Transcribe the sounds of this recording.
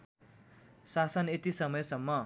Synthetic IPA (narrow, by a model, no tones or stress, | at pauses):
sasʌnet̪isʌmʌjsʌmːʌ